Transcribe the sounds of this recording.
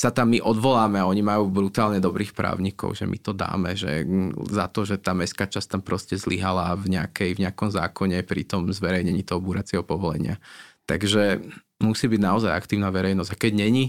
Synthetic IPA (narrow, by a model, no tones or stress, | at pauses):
sat̪amːiʔɔd̪ʋɔlaːmɛaɔɲimajuːbɾut̪aːlɲɛd̪ɔbɾiːxpɾa̰ːʊɲikɔ̰ʊʒɛ̰mʔḭt̪ɔd̪a̰ːmɛʒɛ̰zat̪ɔʒɛt̪aːmɛskaːt͡ʃast̪ampɾɔscɛzliɦalavɲɛakɛjvɲɛakɔmza̰ːkɔɲɛpɾḭt̪ɔmzʋɛɾɛjɲɛɲiːt̪ɔɦɔbuːɾat͡sɪɛɦɔpɔʋɔlɛ̰ɲɪa̰t̪aɡʒɛ | musiːbiɟnaɔzaja̰kt̪iːʊnaʋɛɾɛjnɔzɟakɛɟɲɛɲi